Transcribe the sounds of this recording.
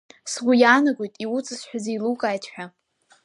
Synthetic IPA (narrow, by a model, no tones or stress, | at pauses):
sɡʷujaːnaɡʷojtʼiwut͡sʼɨsħʷᶣaziːlukʼaːjtʰħʷᶣa